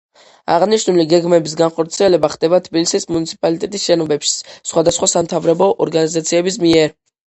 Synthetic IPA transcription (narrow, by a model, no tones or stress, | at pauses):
a̰ʁniʃnuliɡɛɡmɛbis̬ɡanχɔɾt̪sʰiɛlɛbaχd̪̥ɛbat̪ʰbilisismunit̪sʰi̥pʼalit̪ʼɛt̪ʼisʃɛnɔbɛpʃi̥sχwad̪asχwasamt̪ʰavɾɛbɔʔɔɾɡanizat̪sʰiɛbis̬miɛɾ